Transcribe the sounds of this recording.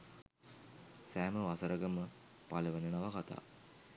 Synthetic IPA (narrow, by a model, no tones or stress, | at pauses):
sæːməʋasəɾʔəɡəmə | paləʋənənaʋakat̪a̰ː